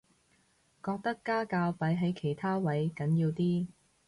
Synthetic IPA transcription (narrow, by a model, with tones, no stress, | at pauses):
kɔː˧k̚t̪ɐ˥kːaː˥kaː˧wpɐ˨˥jɦɐ˨˥jkʰe˨˩jt̪ʰaː˥wɐ˨˥jkɐ˨˥njiː˧wt̪iː˥